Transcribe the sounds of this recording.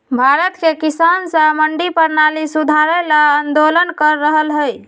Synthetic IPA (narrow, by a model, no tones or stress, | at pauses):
bʱaɾət̪kekisansə̃məɳɖipəɾnalisud̪ʱaɾɛlaənd̪olənkəɾːəɦəlɦəj